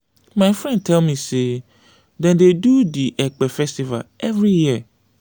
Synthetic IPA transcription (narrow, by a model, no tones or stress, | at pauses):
maɪfɹɛ̃n̚tʰɛlmĩse | dɛ̃ndedudiʔɛk͡pɛfɛstiva̰lɛvɾiji